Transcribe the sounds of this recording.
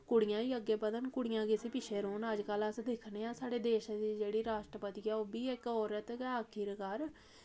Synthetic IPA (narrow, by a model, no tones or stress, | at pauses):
kʊɽɪjãːiːəɡːeːbəd̪ənkʊɽɪjãːkɪsipɪʃʰeːɾoːnəd͡ʒkələsd̪ɪkʰneːãːsaːɽeːd̪eːʃd̪iːd͡ʒeːɽiːɾaːʃʈɾəpət̪iːɛːoːbiːɪkɔːɾət̪kːəkʰiɾkəɾ